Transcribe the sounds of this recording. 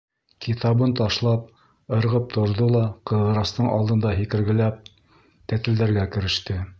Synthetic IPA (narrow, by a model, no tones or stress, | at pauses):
kit̪ɑβɤnt̪ɑʃlˠɑp̚ | ɤ̆ɾʁɤp̚t̪ʰŏɾðɤlˠɑqɤ̆ðʁɤ̆ɾɑst̪ɤɴʔɑ̰lˠd̪ɤ̆nd̪ɑɦikɘ̆ɾɡɘ̆læp̚ | t̪æt̪ɘ̆ld̪æɾɡækɘ̆ɾɘ̆ʃt̪ɘ